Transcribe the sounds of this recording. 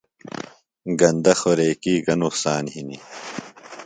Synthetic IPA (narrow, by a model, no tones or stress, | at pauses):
ɡɐnd̪ɐxoɾeːkiːɡɐnusaːnhini